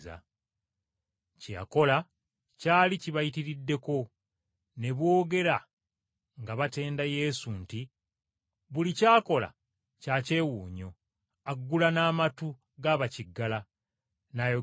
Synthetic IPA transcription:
za̰ | cija̰ko̞la | caːliciβajitiɾidːe̞ko̞ | ne̞βwo̞ːɡe̞ɾa | ŋɡaβate̞ːndaje̞sunti | βulicaːko̞la̰ | caːce̞ːwuːɲo̞ | aɡːulanaːmatu | ɡaːβaciɡːala | najo

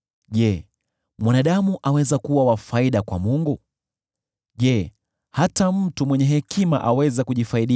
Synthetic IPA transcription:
ʄɛ | mwanaɗamuʔawɛzakuwawafaiɗakwa̰muŋɡu | ʄɛ | hatam̩tumwɛɲɛɦɛkʰima̰ʔawɛzɛkuʄifaiɗi

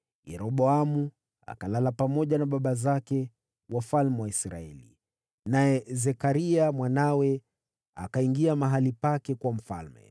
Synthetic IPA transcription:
jɛɾɔɓɔamu | a̰kalalapamɔʄanaɓaɓazakɛ | wafalmɛwaisɾa̰ɛ̰lḭ | najɛzɛkaɾiamwanawɛ | a̰kaiŋɡiamaɦalipakɛkwam̩fa̰lmɛ̰

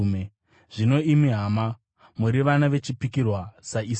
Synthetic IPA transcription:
me | ʐ̥ino̞imiɦama | muɾiʋanaʋe̞t͡ʃipikirwasais

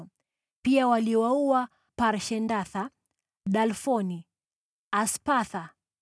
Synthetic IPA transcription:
piawaliwauwa | paɾʃɛndaθa | ɗalfɔni | aspaθa

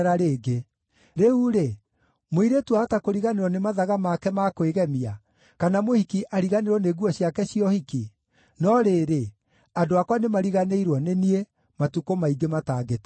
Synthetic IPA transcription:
ɾaɾeːɡe | ɾeuɾe | moiɾetwahatakoɾiɣaneɾwɔnemaðaɣamakɛmakweɣɛmia | kanamohikiʔaɾiɣaneɾwɔneːɣuɔɕjakɛɕijɔhiki | nɔɾeːɾe | adoakwanemaɾiɣaneiɾwɔnenie | matukomaiɡemataːɡetḁ

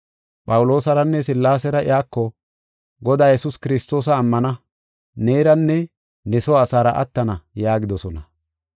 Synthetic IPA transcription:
pʼɐwʊlo̞ːsɐɾɐnːɛsɪlːaːsɛɾɐɪ̰jaːkːɔ | ɡɔd̪aːjɛsʊskɪɾɪst̪o̞ːs̬ɐːmːɐnɐ | neːɾɐnːɛ | nɛsɔːsaːɾɐʔɐ̰t̪ːɐnɐjaːɡɪd̪ɔsɔnɐ

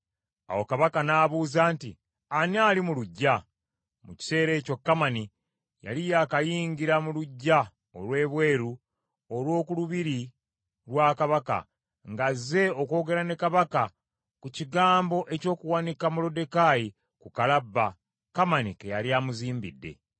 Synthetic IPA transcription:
a̰wo̞kaβakanaːβuːzaːntḭ | anaːlimuluɟːa | muci̥se̞ːɾe̞ːco̞kːamani | ja̰lijaːkajiːɲɡiɾamuluɟːa | o̞lwe̞ːβwe̞ːɾu | olwo̞ːkuluβiɾi | ɾwaːkaβaka̰ | ŋɡaze̞o̞ko̞ːɡe̞ɾane̞kaβaka | kuciɡaːmbo̞ʔe̞co̞ːkuwanikamulo̞de̞kaji | kukalabːa | kamanikejaliaːmuziːmbidːe̞̰

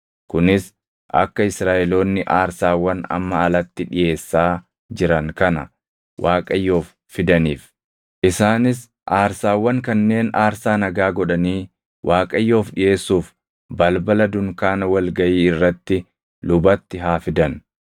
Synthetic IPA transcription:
kʊnɪs | ʔɐ̰kːɐɪsɾaːʔɛlo̞ːnːɪʔaːɾsaːwːɐnɐ̰mːɐɐlɐt̪ːɪᶑɪjʔe̞ːsːaː | d͡ʒɪɾɐŋkɐnɐ̰ | wʔaːkʼɐjːo̞ːfːɪd̪ɐniːf | ʔɪsaːnɪs | ʔaːɾsaːwːɐŋkɐnːe̞ːnaːɾsaːnɐɡaːɡɔᶑɐniː | wʔaːkʼɐjːo̞ːfᶑɪje̞ːsːuːf | bɐlbɐlɐd̪ʊŋkaːnɐwɐlɡɐʔiːɪrːɐt̪ːɪ | lʊbɐt̪ːɪɦaːfɪd̪ɐn

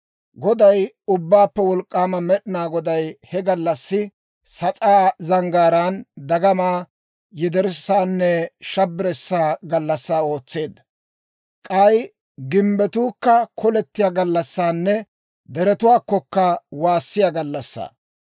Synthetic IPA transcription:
ɡɔd̪ɐj | ʊbːaːpːɛwɔlkʼːaːmɐmɛɗɪnaːɡɔd̪ɐjhɛɡɐlːɐsːɪ | sɐt͡sʼaːzɐŋɡaːɾaːnd̪ɐɡɐmaː | jɪd̪ɛɾsaːnːɛʃɐbːɾɛsːaːɡɐlːɐsːaːo̞ːt͡sːe̞ːd̪ːɐ | kʼɐj | ɡɪmbɛt̪uːkːɐkʰɔlɛt̪ːɪjaːɡɐlːɐsːaːnːɛ | d̪ɛɾɛt̪ʊwaːkːɔkːɐwaːsːɪjaɡɐlːɐsːa̰ː

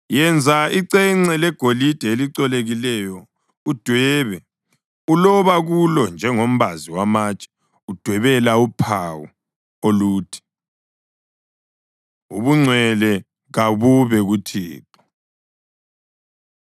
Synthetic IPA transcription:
jɛnd͡zʱaiǀɛŋ͡ǀɛlɛɡ̥ʱolid̥ʱɛeliǀɔleɣilɛjɔ | ud̥ʱwɛβɛ | ulɔβaɣulɔnd͡ʒʱɛŋom̩βaziwamaːt͡ʃʼɛ̥ | ud̥ʱwɛβɛlaupʰawṵ | oluːtʰi̥ | uβuŋ͡ǀʱwɛlɛ | ɣaβuβɛɣutʰḭːtʰɔ̥

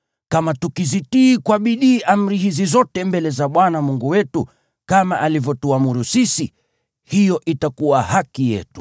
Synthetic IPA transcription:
kamatukizitiːkwaɓiɗiːʔam̩ɾiɦizizɔtɛmbɛlɛzaɓwanamuŋɡuwɛtu | kamaʔalivjɔtuamuɾusisi | hijɔʔitakuwahakijɛ̰tu̥

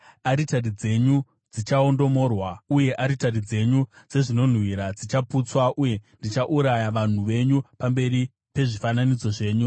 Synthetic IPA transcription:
aɾitarid͡ze̞ɲu | d͡zit͡ʃao̞ndo̞mo̞ːrwauje̞ʔaɾitarid͡ze̞ɲud͡ze̞ʐino̞n̤wiɾad͡zit͡ʃaput͡swaʔuje̞ndit͡ʃaʔuɾajaʋan̤uʋe̞ɲupambe̞ɾi | pe̞ʐifananit͡so̞ʐe̞ːɲu

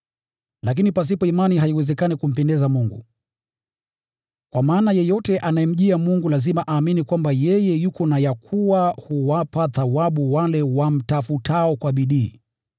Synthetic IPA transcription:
lak̬inipas̬ipɔimaniɦaiwɛzɛkanikum̩pɛndɛzamuŋɡṵ | kwamaːnajɛjɔtɛʔanajɛm̩ʄiamuŋɡulazimaʔaːminikwambajɛjɛjukɔnajakʰuwahuwapaθawaɓuwalɛwam̩tafutʰaɔkwaɓiɗiː

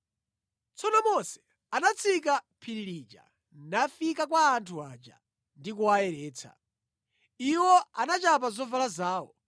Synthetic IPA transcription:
t͡sʰɔnɔmɔsɛ̥ | anat͡sʰik̬apʰiɾilid͡ʒa̰ | nafikakwaːntʰuaːd͡ʒa̰ | ndikuaɛɾɛːt͡sʰa̰ | iwɔanat͡ʃap̬azɔvalazaːwɔ

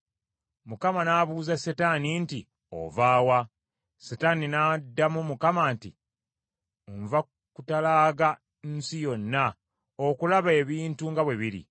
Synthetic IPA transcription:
mukamanaːβuːzasetaninti | o̰vaːwa | setaninadːamumukamanti | ɱva | kutalaːɡa | nsijo̞nːa | okulaβe̞ːβiːntuŋɡaβweβiɾḭ

